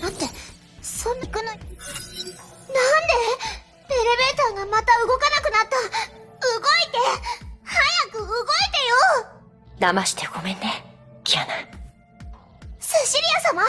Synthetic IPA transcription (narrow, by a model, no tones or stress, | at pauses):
nãt̪e̞ | sõnːakɯ̟noo | nãnd̪e̞ | t̪e̞ɾe̞be̞ːt̪aŋɡamat̪aɯ̟ɡo̞kanakɯ̟nat̪ːaɯɡo̞it̪e̞hajakɯ̟ɯɡo̞it̪ejo | d̪amaɕi̥t̪eɡo̞mẽ̞nːe | kʲijana | seɕiɾʲijasama